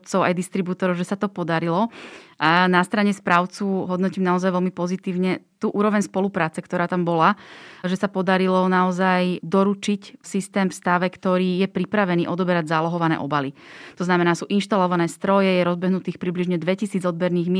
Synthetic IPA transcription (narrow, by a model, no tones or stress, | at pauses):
t͡sɔʊʔa̰jd̪ist̪ɾibut̪ɔɾɔʊʒɛsat̪ɔpɔd̪aɾilɔʔanast̪ɾaɲɛspɾaʊt͡suɦɔd̪nɔciːmnaɔzajʋɛlmipɔzit̪iːʊɲɛt̪uːʔuːɾɔʋɛɲspɔlupɾaːt͡sɛkt̪ɔɾaːt̪ambɔlaʒɛsapɔd̪aɾilɔnaɔzajd̪ɔɾut͡ʃicfsist̪ɛːmfst̪aʋɛkt̪ɔɾiːjɛpɾipɾaʋɛniːʔɔd̪ɔbɛɾaɟzalɔɦɔʋanɛ̰ʔɔbalit̪ɔznamɛnaːsuːʔinʃt̪alɔʋanɛːst̪ɾɔjɛjɛɾɔzbɛɦnut̪iːxpɾibliʒɲɛd̪ʋɛcisiːd͡zɔd̪̚bɛɾniːɣm